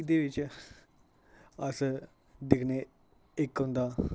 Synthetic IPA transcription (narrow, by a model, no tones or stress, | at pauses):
d̪eːʋɪt͡ʃ | əs | d̪ɪkʰneː | ɪkɦʊ̃nd̪aː